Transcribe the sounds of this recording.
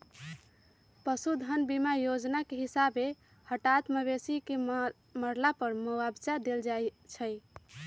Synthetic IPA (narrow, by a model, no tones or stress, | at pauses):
pəsud̪ʱənbimajod͡ʒnakeɦisabe | həʈat̪məβesike | məɾlapəɾmowabt͡ʃad̪eld͡ʒajt͡ʃʰəj